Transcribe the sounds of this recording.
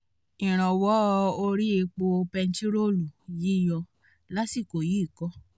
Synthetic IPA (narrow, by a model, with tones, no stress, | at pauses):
ĩ˨ɾ̃ã˨wɔ˨˦˧o˧ɾi˦e˧k͡po˧pɛ˧n̩˦ti˦ɾo˦˨lu˨ji˨˦˨jɔ̃˧ | la˦si˦˨ko˨ji˨˦˨kɔ˦